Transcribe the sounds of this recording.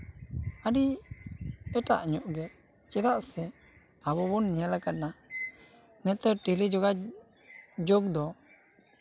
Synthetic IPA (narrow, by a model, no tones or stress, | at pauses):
aɖi | ɛʈa̰ʔɲɔʔɡɛ | t͡ʃɛd̪aʔsɛ | abɔbɔnɲijɛlakat̪̚na | nɛt̪əʈilid͡ʒɔɡa | d͡ʒoɡ̚d̪ɔ